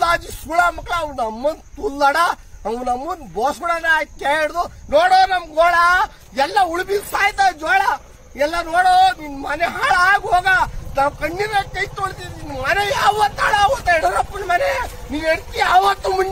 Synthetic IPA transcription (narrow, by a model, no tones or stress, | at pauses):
aːd͡ʒisuɭaːmɐkːɭɐɐʋnɐmːɐnd̪t̪ulːaɽaɐʋnɐmːɐnd̪boːsuɽanakeeɽd̪unoːɽoːnɐmɐɡoːɭa | ɛlːɐuɭbisaːjt̪ad͡ʒɔːɽa | ɛlːɐnoːɽoninmɐneɦaːɭaːɡɦoːɡanaːwkɐɳːiɾɐkɐjt̪oɽt̪ininmɐnejaːʋɐt̪aːɭaːʋot̪ɐɛɽɾɐpːɐnmɐneniːneɽt̪iaːʋɐt̪ːumun